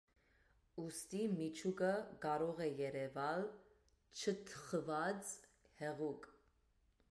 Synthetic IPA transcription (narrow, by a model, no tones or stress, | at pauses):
ust̪imit͡ʃʰukəkɑɾɔʁɛjɛɾɛvɑl | t͡ʃʰət̪ʰəχəvɑt͡s | hɛʁuk